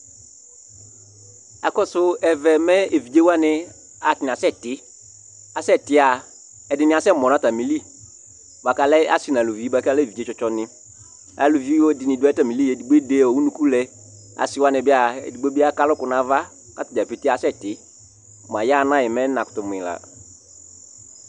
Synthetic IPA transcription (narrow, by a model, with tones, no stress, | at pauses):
a̰˨kɔ˦sʊ˦ɛ˨vɛ˨mɛ˦e˨vi˨d͡ʒe˦wa˦nɪ˨ | a˨tɪ˨n˨a˨sɛ˦˨tɪ˦ | a˨sɛ˦˨tɪ˦a˨ | ɛ˨dɪ˨nɪ̃˦a˨sɛ˦˨mɔ˨n˨a˦ta˨mi˨li˦ | ba˨ka˨lɛ˦a̰˦sɪ˨na˨lu˨vi˨˦i˦ba˨ka˦lɛ˦˨vi˨d͡ʒe˦t͡ʃɔ˦t͡ʃɔ˦nɪ̃˦ | a̰˨lu˨vi˦o˦dɪ˨nɪ̃˨dʊ˦ta˨mi˨li˦ɛ˨di˨ɡ͡be˦de˦˨ɔ˨wu˦nũ˦ku˦lɛ˨ | a̰˨sɪ˨˦wa˦nɪ̃˨bɪ˦a˨ḛ˨di˨ɡ͡be˦bi˦a˦ka˦lʊ˦kʊ˨na˨va˦ | ka˦tʊ˨d͡ʒa˨pe˨tɪ˦a˨˦sɛ˦˨tɪ˨˦ | ma˨ja˦˨˦nã˦jɛ˨mɛ˦nã˨kʊ̥˨tʊ˨m˨ɪ̰˨la̰˨